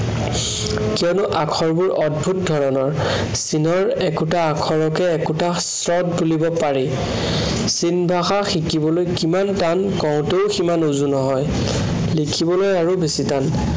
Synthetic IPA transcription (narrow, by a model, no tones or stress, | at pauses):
kiɔnʊʔakʰɔɹbuɹʔɔd̚bʱut̚dʱɔɹɔnɔɹ | sinɔɹɛkutaːkʰɔɹɔkɛːkuta | sɹɔt̚bulibɔpaɹi | sinbʱaxaxikibɔlojkimantankɔʊ̃teʊximanuzunɔɦɔj | likʰibɔlojaɹubesitan